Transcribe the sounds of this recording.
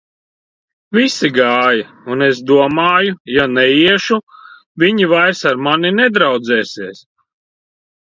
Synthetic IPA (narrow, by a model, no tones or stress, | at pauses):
visiɡaːja | unes̬d̪uɔmaːjujanɛiɛʃu | viɲivajɾsaɾmaninɛd̪ɾawd̪zɛːsiɛs